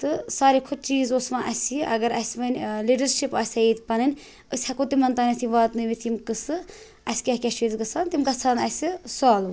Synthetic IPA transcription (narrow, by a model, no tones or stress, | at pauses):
t̪ɨsaːɾikʰot͡ʃiːzoːsʋãːʔɐsʲiʔɐɡɐɾɐsʲʋɨnʲliːɖɐɾʃipasʲɐiːt̪ʲpɐnɨnʲ | əsʲhɐkot̪imɐnt̪aːnʲɐt̪ʰiʋaːt̪nɨʋit̪ʰimkɨsɨ | ɐsʲkʲɐhkʲɛʃiːzɡɐt͡sʰaːnt̪imɡɐt͡sʰaːnɐsʲisaːlʋ